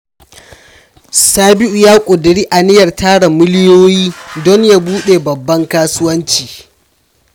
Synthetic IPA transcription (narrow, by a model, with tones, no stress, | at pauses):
saː˦bɪ˦ʔu˨jaː˦kʷʼʊ˨dɪ˨ɽiː˦ʔa˨nɪ˦jɐ˨rtaː˦ɽa˨mɪ˦lɪ˦joː˦jiː˦dɔ˦ɲja˦buː˦ɗe˨bɐ˨bːɐ˦ŋkaː˦sʊ˦wɐ˦nt͡ʃiː˨